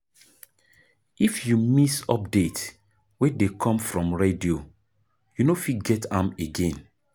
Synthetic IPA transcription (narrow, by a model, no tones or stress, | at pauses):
ifjumisɔp̚det | wedekʰɔ̃mfɹɔ̃mɹedio | junofiɡɛtãmeɡẽn